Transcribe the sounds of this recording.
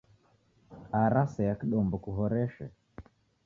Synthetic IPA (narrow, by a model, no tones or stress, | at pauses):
aɾasɛjakiɗɔmbɔkuɦɔɾɛʃɛ̰